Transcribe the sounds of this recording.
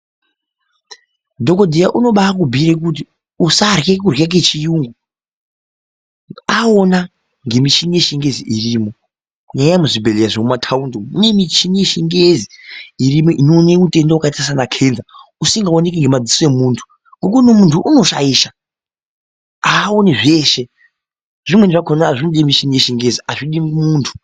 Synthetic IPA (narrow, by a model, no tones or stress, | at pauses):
dʱo̞ko̞dʱijaʔuno̞ɓak̬ubʱiɾek̬ut̬i | usarjekurjak̬et͡ʃijuːŋɡu | aona | ŋɡe̞mit͡ʃineʃiŋɡe̞ziʔiriːmo̞ | kɲaajamuʐibʱelejaʐemumatʰaundomune̞mit͡ʃineʃiŋɡeziirimoʔinoːneute̞ndaukaitas̬anakʰe̞ːnzausiŋɡaonek̬iŋɡe̞mad͡zisoemuːntʰu̥ | ŋɡok̬unomuntʰuʔuno̞ʃaiːʃa | aːoniʐeːʃe̞ | ʐ̥imwe̞ndiʐakʰonaʐinoɗiemiʃineʃiŋɡeziaʐiɗiŋɡumuːntʰu̥